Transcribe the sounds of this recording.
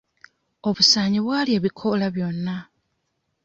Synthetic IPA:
o̞βusaːɲiβwaːlie̞ːβikʰolaβjo̞nːa

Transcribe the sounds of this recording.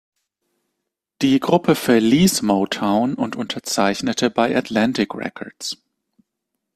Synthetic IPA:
d̥iːɡʁʊpʰəfɛɐliːsmoʊtʰaʊnʔʊntʊntʰɐt͡saɪçnətʰəbaɪʔatlantɪkʁɛ̰kʰɔɐs

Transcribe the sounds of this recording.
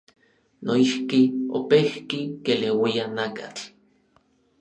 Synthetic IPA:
noihkio̰pehkikelewianakat͡ɬ

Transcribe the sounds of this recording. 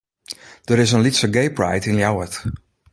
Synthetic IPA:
d̥əɹɪzə̃nlitsəɡeɪpɹa̰jtɪ̃nljawət

